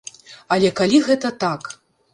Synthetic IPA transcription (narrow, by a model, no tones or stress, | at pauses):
ɐlʲɛkalʲiɣɛt̪ɐt̪ak